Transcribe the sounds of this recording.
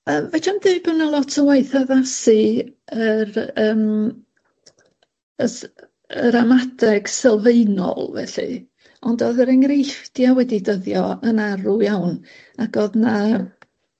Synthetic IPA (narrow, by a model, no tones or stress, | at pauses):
əːmvɛd͡ʒandɨbənalˠɔtʰəwajθaðasɨəɾəːm | ə | əɾamadɛɡ̥sɛlˠveɨnɔ̰lˠvɛ̰ɬɨ̰ | ɔndɔðəɾɛŋrejfd̥jawɛdidəðjɔənaɾujawn | aɡɔðna